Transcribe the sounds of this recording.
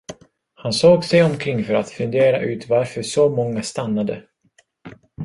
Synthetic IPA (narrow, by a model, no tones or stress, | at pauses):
hansoːɡsɛjɔmkʰɾɪŋːfœɾat̪fɵnd̪eːɾa̰ʔʉ̟ːt̪vaɾfœʂɔmɔŋːast̪anːad̪ə̰